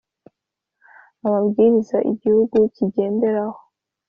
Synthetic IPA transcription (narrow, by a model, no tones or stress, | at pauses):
aβabɡiːɾizaʔiɟihuɡuciɟe̞ːnde̞ɾaho̥